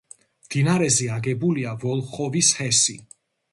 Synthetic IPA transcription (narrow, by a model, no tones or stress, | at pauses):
md̪̥inaɾɛzɛaɡɛbuliavɔlˠχɔvishɛsi